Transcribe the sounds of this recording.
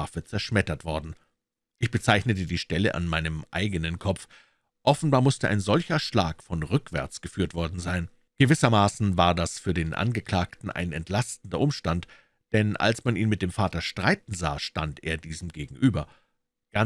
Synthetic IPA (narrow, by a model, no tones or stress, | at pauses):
afət͡sɛɐʃmɛtɐtv̥ɔɐdn̩ | ʔɪçb̥ət͡saɪçnətədiːʃtɛləʔa̰nmaɪnəmʔa̰ɪɡənənkʰɔp͡f | ʔɔfn̩baːɐmʊstəʔa̰ɪnzɔlçɐʃlaːkfɔnʁʏkv̥ɛ̰ɐt͡sɡ̥əfyːɐtv̥ɔɐdn̩zaɪn | ɡ̥əvɪsɐmaːsn̩vaːɐdasfyːɐdeːnʔa̰nɡəkl̥aːktn̩ʔa̰ɪnɛ̰ntlastn̩dɐʔʊmʃtant | d̥ɛnʔa̰lsmaniːnmɪt̚d̥eːmfaːtɐʃtʁ̥aɪtn̩za̰ːʃtantḛːɐdiːzm̩ɡeːɡŋ̩ʔyːbɐ | ɡ̥a